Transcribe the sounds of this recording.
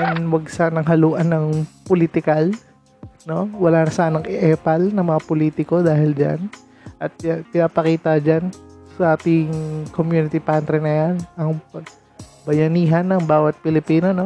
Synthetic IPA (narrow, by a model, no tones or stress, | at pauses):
janwɐɡ̚saːnɐŋɦɐluːʔɐnːɐŋpolit̪ɪkal | no̞wɐlaːnɐsɐʔanɐŋʔɛʔɛːpɐlnɐŋmɐŋapoliːt̪ɪko̞d̪aːhɪld͡ʒa̰n | ʔɐt̪̚pɪnaːpɐkiːt̪ɐd͡ʒansɐʔaːt̪ɪŋkomjuːnɪt̪ɪpant̪ɾɛnɐjanɐŋpɐ | bɐjɐniːɦɐnːɐŋbaːwɐt̪̚pɪlɪpiːnono̞